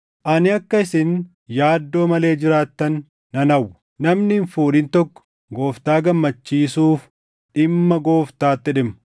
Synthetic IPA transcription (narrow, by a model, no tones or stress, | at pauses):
ʔɐnɪɐkːɐɪsɪn | jaːd̪ːo̞ːmɐle̞ːd͡ʒɪɾaːt̪ːɐnː | ɐnɐwː | nɐmnɪnfuːɾɪnt̪ɔkːɔ̥ | ɡo̞ːft̪aːɡɐmːɐt͡ʃːiːsuːf | ʔɪmːɐɡo̞ːft̪aːt̪ːɪᶑɪm